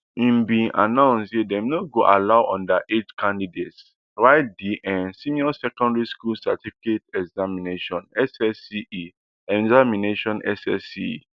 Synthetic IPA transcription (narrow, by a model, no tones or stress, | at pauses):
ĩmbĩnʔa̰nãʊ̃nsdedɛmnoɡoʔalaʊɔ̰̃ndaʔetkʰãndidets | ɹaɪtdiʔɛ̃nsĩmiɔsɛkɔ̃ndɹiskulsa̰tifiketɛɡzamineʃɔ̃nɛsɛsii | ɛzamineʃɔ̃nɛ̰sɛ̰sḭ